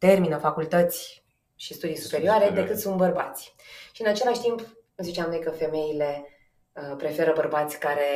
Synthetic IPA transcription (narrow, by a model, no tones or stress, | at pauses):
t̪e̞rminəfakult̪ət̪sʲ | ʃist̪ud̪ijsu̥pe̞ɾioaɾe̞d̪e̞kɨt̪sunt̪̚bərba̰t̪sʲʃiɨnat͡ʃe̞laʃʲt̪imp | ɨlzit͡ʃamno̞jkəfe̞me̞ile̞ | əpɾe̞fe̞ɾəbərbat̪sʲkaɾe̞